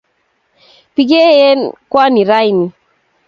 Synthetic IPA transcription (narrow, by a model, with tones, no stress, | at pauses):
pi˨˦ɡe˦je˦nkwa˦ni˨ɾa˦jni˨